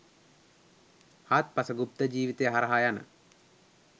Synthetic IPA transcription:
hat̪̚pasəɡup̚t̪əd͡ʒiːʋit̪ejəɦaɾɐɦajanə̰

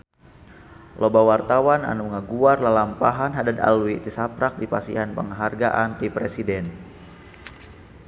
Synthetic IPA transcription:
lʔobawart̪awana̰nuŋaɡuarlalampaɦanɦadad̪a̰lwit̪isapɾak̚dipasḭɦanpəŋɦarɡaʔant̪ipɾesidɛn

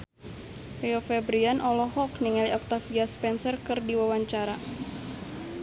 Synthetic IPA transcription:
rɛɔfɛbɾianʔɔlɔɦɔkniŋaliɔk̚t̪afiaspɛnsərkɨrdiwawaɲt͡ʃaɾa

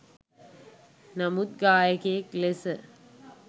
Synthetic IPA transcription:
nɐmut̪̚ɡaːjɐkeeklesə

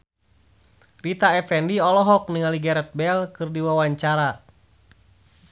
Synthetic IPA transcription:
rit̪aɛfɛndiɔlɔɦɔk̚niŋaliɡɛɾɛt̪̚bɛlkɨrdiwawaɲt͡ʃaɾa

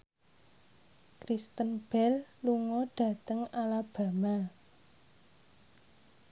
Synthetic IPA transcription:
kɾist̪ənb̥ɛlluŋɔɖ̥ä̤t̪əŋalab̥a̤ma

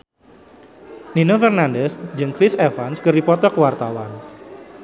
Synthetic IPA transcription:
ninofərnandɛsd͡ʒɨŋkɾɪsɛfanskɨrdipɔt̪ɔkəwart̪awan

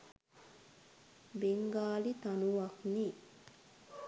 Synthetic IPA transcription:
beŋɡaːlit̪anuʋakni

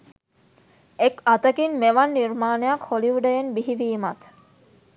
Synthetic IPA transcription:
ekat̪əkinmeʋanːiɾmaːnejakholiʋuɖəjenbiɦiʋiːmat̪

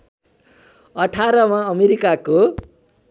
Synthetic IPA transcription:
ʌʈʰaɾʌmãʌmeɾikako

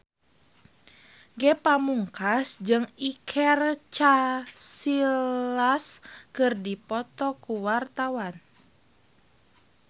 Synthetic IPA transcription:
ɡɛpamuŋkasd͡ʒɨŋikʰɛrt͡ʃasillaskɨrdipɔt̪ɔkuwart̪awan

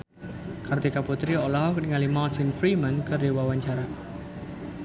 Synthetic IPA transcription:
kart̪ikaput̪ɾiɔlɔɦɔkniŋalimat̪ɪnfɾimankərdewawaɲt͡ʃaɾa

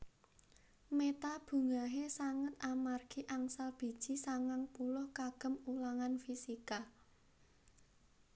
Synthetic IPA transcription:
met̪ab̥ṳŋaɦesaŋət̪̚amarɡ̥i̤ʔaŋsalb̥i̤d̥ʒ̥i̤saŋaŋpulʊhkaɡ̥ə̤mulaŋanfisika

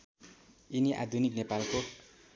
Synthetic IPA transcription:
iniʔa̰d̪ʱuniknepalko

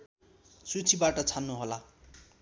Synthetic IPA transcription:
sut͡sʰibaʈʌt͡sʰanːuɦola

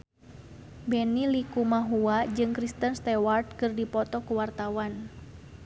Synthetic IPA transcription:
bɛnilikumaɦuad͡ʒɨŋkɾist̪ənst̪ɛward̪̚kɨrdipɔt̪ɔkuwart̪awan

